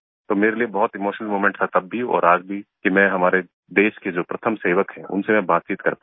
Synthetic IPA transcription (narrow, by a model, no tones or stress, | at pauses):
t̪oːmeːɾeliebɐɦʊt̪ɪmoːʃənəlmoːmẽɳʈt̪ʰat̪ɐbːʱiɔ̰ːɾaːd͡ʒbʱikimɛ̃ɦɐmaːɾe | d̪eːʃked͡ʒoːpɾɐt̪ʰəmseːʋəkɦɛ̃ʊ̰nsemɛ̃baːt̪̚t͡ʃiːt̪kɐɾpa